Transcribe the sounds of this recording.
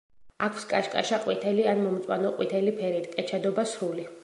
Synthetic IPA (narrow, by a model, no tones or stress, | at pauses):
akʰskʼaʃkʼa̰ʃaqʼwit̪ʰɛlianmɔmt̪sʼwanɔqʼwit̪ʰɛlipʰɛɾit̪ʼkʼɛt͡ʃʰad̪ɔbasɾuli